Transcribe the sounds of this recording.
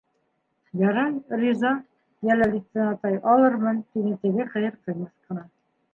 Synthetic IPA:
jɑɾɑjrʲizɑ | jælælit̪ɤ̆nɑt̪ɑjʔɑlˠɤɾmɤnt̪inɘt̪ɘ̆ɡɘχɘ̆jɤɾq̪ɤ̆jmɤ̆θqɤ̆nɑ

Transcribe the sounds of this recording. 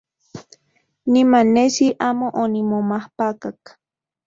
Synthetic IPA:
nimanesiʔamoʔonimomahpakak

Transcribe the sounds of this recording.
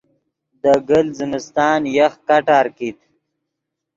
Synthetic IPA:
d̪əɡəlzɪmɪst̪ɑːnjaxkaʈaːɾkit̪

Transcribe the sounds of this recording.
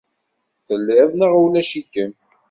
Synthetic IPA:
θəlːeðˤnəʁəwlæʃikːən

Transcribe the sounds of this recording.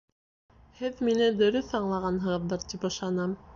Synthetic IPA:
hɘðminɘd̪ɵ̆ɾɵθɑɴlˠɑʁɑnɦɤ̆ʁɤ̆ðːɤɾt̪ipɤ̆ʃˠɑnɑm

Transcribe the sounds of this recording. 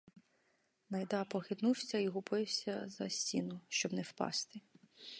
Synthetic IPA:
nɐjd̪ɑpɔxɪd̪nuwsʲɐiɦʊpɪwsʲɐzɐ̰sʲtʲinʊʃt͡ʃɔbnɛwpɑ̰st̪ɪ

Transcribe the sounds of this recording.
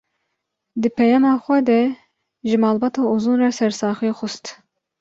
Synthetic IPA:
d̪ɨpʰɛjɑmɑːxʷɛd̪ɛ | ʒɨmɑːlbɑːt̪ʰɑːuzunrɑsɛɾsɑːxijexʊst̪

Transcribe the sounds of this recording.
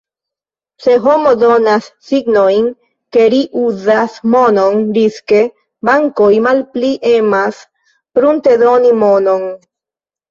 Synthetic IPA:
se̞ɦo̞mod̪o̞nasːiɡno̞jn | ke̞ɾiʔuzasmo̞no̞ndiske̞ | baŋko̞jmalpliʔe̞mas | pɾunt̪e̞d̪o̞nimo̞no̞n

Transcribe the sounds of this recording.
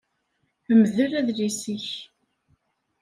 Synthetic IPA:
əmðəɾæðlisiç

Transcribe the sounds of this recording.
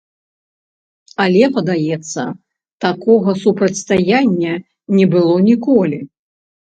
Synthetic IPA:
alʲɛpɐd̪ajɛt̪sːɐ̰ | t̪akɔɣɐsupɾɐt̪ʲst̪ajanʲːɐ | nʲɛbɨlˠɔnʲikɔlʲi

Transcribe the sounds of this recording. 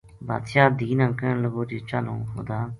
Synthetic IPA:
ba̰ːt̪ʰjaːd̪iːnãːkələboːd͡ʒeːt͡ʃanõ̰ːɦo̰d̪aː

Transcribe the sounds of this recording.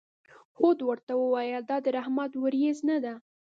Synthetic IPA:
xod̪wəɾt̪awəwɑjəd̪ɑd̪əɾahmad̪wəɾjeznad̪a

